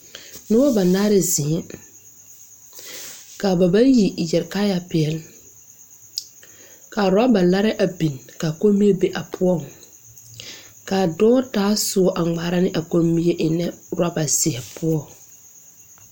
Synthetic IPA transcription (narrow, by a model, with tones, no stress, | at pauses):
nɪ˦wɔ˦ba˨naː˦ɾɪ˨zɪ˨ɛ˦ | ka˨ba˨ba˦ji˨jɛ˨ɾka˦ja˨pɪ˨ɛ˨l | ka˨ɾa˦ba˨la˦ɾɪ˦ʔa˨bi˨nka˨ko˦mi˦e˦be˨ʔa˨pʰʊ˦ɔ˦˨ | ka˨dɔ˦taː˨˦sʊ˦ɔ˦ʔa˨ŋ͡maː˨˦ɾa˦nɪ˦ʔa˨ko˦mi˦e˦ʔɪ˨nɛ˦ɾa˦ba˨sɪ˨hɛ˨pʰʊ˦ɔ˦˨